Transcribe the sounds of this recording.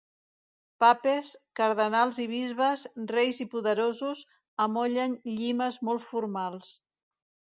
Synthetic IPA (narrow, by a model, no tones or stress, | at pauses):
papeskəɾðənalˠziβ̞izβəsrejzipuðəɾozuz | əmɔʎənʎiməzmɔlˠtfuɾmalˠs